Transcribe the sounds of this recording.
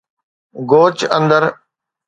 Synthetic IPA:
ɡoːt͡ɕə̰̃nd̪əɾ

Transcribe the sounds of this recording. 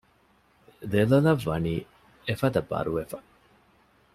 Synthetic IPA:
d̪elolɐʋːɐniː | efɐd̪ɐbɐ̰ɾuʋefɐ̥

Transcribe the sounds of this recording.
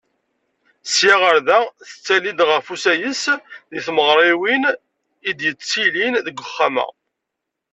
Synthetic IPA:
sjaʁəɾðæθə̥t͡sːælid̪ʁəfusæjəsðiθməʁɾˤɪwin | id̪jət͡sːilinðəɡʷəχːamə̰

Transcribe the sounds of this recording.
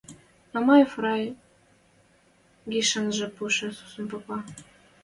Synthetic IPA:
nɑmɑjefrɑj | ɡiʃə̆nʒĕpuʃɘ̆su̥sə̆npopɑ

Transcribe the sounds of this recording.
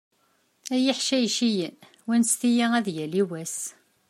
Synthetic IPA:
æjiħʃæjʃijən | wænst̪ijiæðjæliwæs

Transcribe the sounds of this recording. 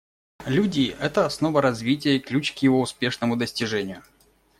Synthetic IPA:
lʲudʲɪːʔɛt̪əɐsno̞vəɾɐzvʲitʲɪjəiklʲut͡ɕkjɪvo̞ʊspʲe̞ʂnəmʊd̪əsʲtʲɪʐɛnʲɪjʊ

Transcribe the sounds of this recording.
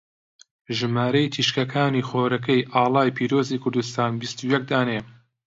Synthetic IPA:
ʒɨmaːɾɐjt̪ʰiʃkɐkʰaːniːxoːɾɐkɐjʔɑːlˠɑːjpʰiːɾoːziːkʰʊɾd̪ust̪aːnbist̪ujɛk̚d̪aːne

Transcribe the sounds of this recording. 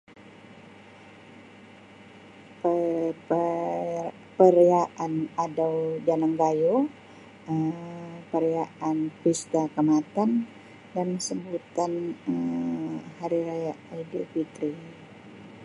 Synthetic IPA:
pə | pəɾeaʔanadawd͡ʒanaŋɡajo | əpəɾijaʔanpist̪akəmat̪an | dansəmbut̪anə | haɾiɾajaʔadifit̪ɾi

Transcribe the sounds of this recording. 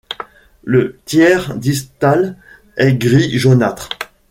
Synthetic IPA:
lət̪jɛʁd̪ist̪al | ɛɡʁiʒonat̪χ

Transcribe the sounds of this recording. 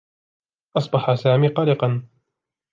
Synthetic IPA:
ʔɑsˤbɑħasaːmiːqɑlɪqɑn

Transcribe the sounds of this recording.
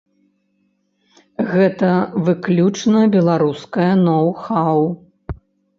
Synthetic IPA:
ɣɛt̪ɐvɨklʲut͡ʂnɐbʲɛlˠaɾuskɐjɐnɔwxaw

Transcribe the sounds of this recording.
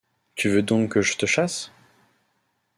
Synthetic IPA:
t̪yvød̪ɔ̃kːəʒət̪əʃas

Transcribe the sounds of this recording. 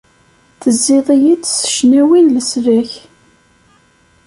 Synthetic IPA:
θəzːiðˤijit͡sːsə̥ʃnæwinləsɾæç

